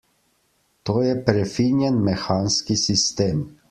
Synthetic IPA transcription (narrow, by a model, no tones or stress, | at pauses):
t̪oːjɛpɾɛfinjɛnmɛxaːnskisist̪eːm